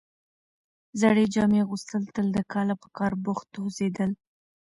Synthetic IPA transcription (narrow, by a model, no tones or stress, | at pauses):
zaɽed͡ʒɑmeɣust̪əlt̪əld̪əkɑlapə̥kɑɾbʊxt̪ozed̪əl